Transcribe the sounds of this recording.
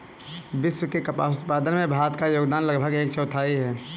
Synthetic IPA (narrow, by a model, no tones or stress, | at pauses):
bɪswəkekɐpa̰ːsʊt̪̚paːd̪ənmẽbʱaːɾət̪kajoːɡd̪aːnləɡbʱəɡeːkt͡ʃʰɛʊt̪ʰaːiɦɛː